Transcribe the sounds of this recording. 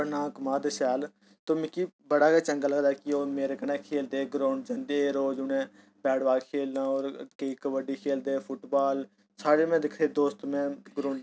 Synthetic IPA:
nãːkmaːd̪ʃɛːl | t̪oːmɪkibəɽaːket͡ʃə̃ŋɡaləɡd̪aːkioːmeːɾeːkənẽːkʰeːld̪eːɡɾõːɳt͡ʃə̃nd̪eːɾoːd͡ʒʊnẽː | bɛːɽʋaːkʰeːlnãːoːɾkəiːkəʋəɖiːkʰeːld̪eːpʰʊʈbaːl | saːɽeːmɛ̃ːd̪ɪkʰɾeːd̪oːst̪mẽːɡɾõːɳ

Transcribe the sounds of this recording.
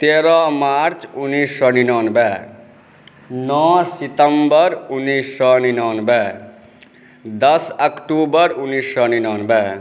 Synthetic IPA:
t̪eɾɔmaɾt͡ʃunisɔninɔnbɛ | nɔsit̪əmbəɾunːisːɔninɔnbɛ | d̪ʌsəkʈubəɾunːisɔninɔnbɛ

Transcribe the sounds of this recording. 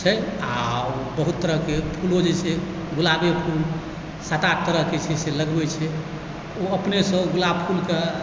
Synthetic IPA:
t͡ʃʰɛaobəɦut̪ːəɾəɦkepʰulod͡ʒese | ɡʱulabepʰul | sat̪aʈ̚ʰt̪ːəɾəɦket͡ʃʰɛseləɡbɛt͡ʃʰɛ | oəpnesə̃ɡʱulapʰulke

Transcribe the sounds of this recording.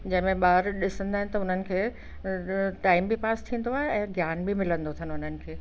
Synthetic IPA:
d͡ʑɐ̃ɦɪ̃mẽɓaːɾɗɪsə̃nd̪aːɦɪ̃nɪt̪ɐʊn̤ənɪ̆kʰeː | ʈaːɪmbipaːst̪ʰĩːn̆d̪oaːɦeɛ̃ːɡʱjaːnbimɪlə̃nd̪ot̪ʰɐnʊn̤ənɪ̆kʰeː

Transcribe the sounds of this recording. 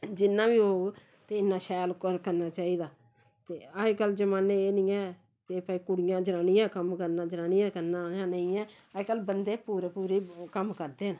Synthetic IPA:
d͡ʒɪnːãːbiːɦoːɡ | t̪eːɪnːaːʃɛːlkəɾkəɾnaːt͡ʃaːiːd̪aː | t̪eːəkəld͡ʒəmaːneːeːnĩːɛ̃ː | t̪eːpaːiːkʊɽɪjãːd͡ʒəɾaːnijãːkəmkəɾnãːd͡ʒɾaːnijãːkəɾnaːjãːnəĩɛ̃ː | əkəlbənd̪eːpuːɾeːpuːɾiːkəmkəɾd̪eːn

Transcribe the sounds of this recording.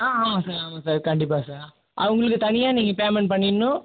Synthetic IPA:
aːaːmasaːɾaːmaːsaːɾkɐɳɖɪpːaːsaːɾ | ʔɐ̰ʋɐŋɡɐɭɯkːɯt̪ɐnɪjaːniːŋɡɐpeːmɛɳʈ̚pɐɳːɪnːʊ̃

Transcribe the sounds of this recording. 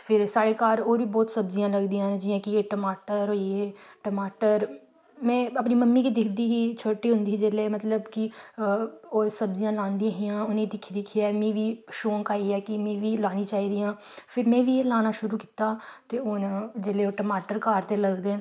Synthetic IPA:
pʰɪɾsaːɽeːkaːɾoːɾʋiːbɔːt̪səbzɪjãːləɡd̪iːãd͡ʒɪːãːkɪeːʈəmaːʈəɾɦoːieːʈəmaːʈəɾ | mɛ̃ːəpniːməmːiːkiːd̪ɪkʰd̪iːɦiːt͡ʃʰoːʈiːɦʊ̃nd̪iːd͡ʒeːleːmət̪ləbkɪ | oːsəbzɪjãːlãːnd̪iãːɦɪjãːʊnẽd̪ɪkʰːd̪ɪkʰːɪɛːmĩːʋiːʃoːŋkaːiːɛːkɪmɛ̃ːʋiːlaːñiːt͡ʃaːiːd̪ijãː | pʰɪɾmɛ̃ːʋiːeːlaːñaːʃʊɾuːki̥ːt̪aːt̪eːond͡ʒeːleːoːʈəmaːʈəɾkaːɾt̪eːləɡd̪eː

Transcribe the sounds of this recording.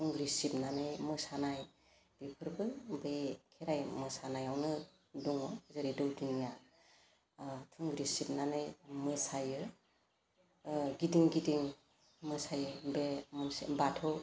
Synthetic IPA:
tʰuŋɡɾisip̚nanɯjmɯsanaj | b̥epʰɯɾbɯbekʰeɾajmɯsanajawnɯ | duŋɔzɯɾedɯwdiŋja | tʰuŋɡɾisip̚nanɯjmɯsajɯ | ɡidiŋɡidiŋ | mɯsajɯbemunsbatʰɔw

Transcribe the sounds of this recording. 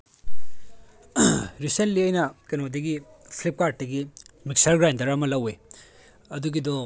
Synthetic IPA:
ɾisentliɐjnɐkɐnodɐɡi | pʰlip̚kaɾt̚ːɐɡimik̚sɐɾɡɾajndɐɾamɐlɐwe | ɐduɡidɔ

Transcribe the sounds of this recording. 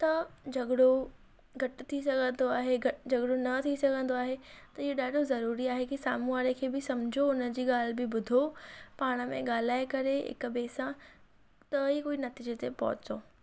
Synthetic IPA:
t̪ɐd͡ʑɐɠɽo | ɡʱɐʈt̪ʰisɐɡʱə̃nd̪oaːɦeɡʱɐd͡ʑɐɡɽonɐt̪ʰisɐɡʱə̃nd̪oaːɦet̪ɐɪɦoɗaːɖʱozɐɾuːɾiaːɦekisaːmuaːɾekʰeːbɪsɐmd͡ʑʱoʊnə̆d͡ʑiːɠaːl̤ɪbɪbʊd̪ʱopaːɽ̃ə̆mẽɠaːl̤aːekɐɾeɦɪ̰kbeːsã | t̪ɐɦikoːinɐt̪iːd͡ʑət̪ʰepɐɦʊt͡ɕoː

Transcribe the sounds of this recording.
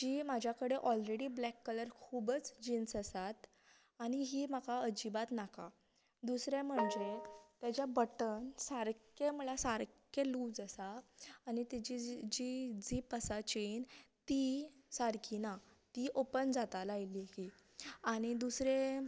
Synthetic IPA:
d͡ʑiːmad͡ʑʱjakəɽeʔɔlɾeɽiːblɛkːələɾkʰubət͡sd͡ʑinsəsat̪ | aɽ̃iɦiːmakaəd͡ʑibat̪nakʰa | d̪usɾam̤əɳd͡ʑet̪jat͡ɕjabəʈənsaɾkem̤əɭasaɾkʰeluːd͡zəsaːñit̪id͡ʑid͡ʑid͡ziːpəsat͡ɕent̪isaɾkʰina | t̪iʔopənd͡zat̪alajlihi | aɽ̃id̪usɾe

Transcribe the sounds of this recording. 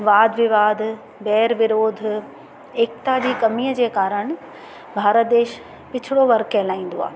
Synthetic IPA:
ʋaːd̪ʱʋɪʋaːd̪ʱ | bɛːɾʋɪɾoːd̪ʱ | eːkt̪aːɗiːkɐmijəd͡ʑeːkaːɾəɽ̃ | bʱaːɾət̪̚d̪eːʃ | pɪt͡ɕʰɪɽoʋɐɾkɛlaːĩːn̆d̪oa̰ː

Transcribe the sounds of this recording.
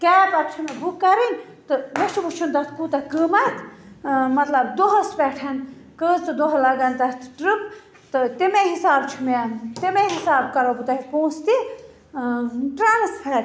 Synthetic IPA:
kɛːpɐt̪̚t͡ʃʰumebukːɐɾinʲ | t̪ɨnet͡ʃbut͡ʃʰund̪ɐt̪ʰkut̪ɐkəːmɐt̪ʰmɐt̪lɐbd̪oɦɐspɛːʈʰɐnkəːt͡sɨd̪oɦlɐɡɐnʲt̪ɐt̪ʰʈɾip | t̪ɨt̪imeɦisaːb̚t͡ʃʰumet̪imeɦisaːbkɐɾobut̪aɦipõːst̪i | ʈɾaːnspʰɐːɾ

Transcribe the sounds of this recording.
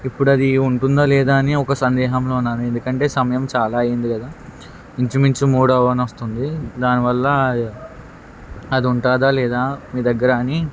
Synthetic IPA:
ipːuɽuɐd̪iuɳʈund̪aːlɛːd̪aːɐniɔkɐsɐnd̪ɛːɦɐmlounːaːɾue̞nd̪ukɐɳʈe̞ːsɐmɐjɐmt͡ʃaːlaːɐjind̪ikɐd̪aː | iɲt͡ʃumiɲt͡ʃumuːɽɐʋɐnʋɐst̪und̪id̪aːniʋɐlːɐ | ɐd̪iuɳʈaːd̪aːlɛːd̪aːmiːd̪ɐɡːɐɾaːni

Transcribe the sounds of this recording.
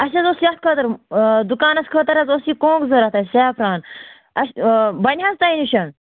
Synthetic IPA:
ɐʃɐzosiɐt̪̚kʰət̪ɐɾd̪ukaːnɐskʰət̪ɐɾɐzosikõːkzɐɾɐt̪ʰɐsaːpɾaːn | ɐʃbɐnʲɦɐzt̪ɐiniʃɐn

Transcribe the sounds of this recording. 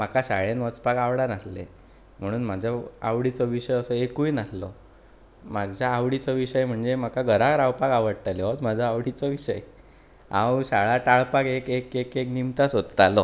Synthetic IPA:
makaɕaɭenʋət͡spakaʋɽanaslḛ | m̤əɽ̃uːnmad͡ʑʱaa̰ʋɽit͡sɔʋiɕəjəsəekujnaslɔ | maɡd͡ʑʱaːʋɽit͡sɔʋiɕəjm̤əɳd͡zem̤akaɡʱəɾaɾawpakaʋəɽʈ̪aleɔt̪m̤ad͡zʱaaʋɽit͡sɔʋiɕəj | ã̰wɕaɭaʈaɭpakekekekeknimt̪asot̪t̪alɔ

